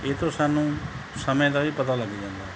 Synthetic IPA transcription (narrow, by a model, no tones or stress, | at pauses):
eːt̪oːsaːnːũː | səmẽːd̪aːʋiːpət̪aːləɡid͡ʒãːnd̪aː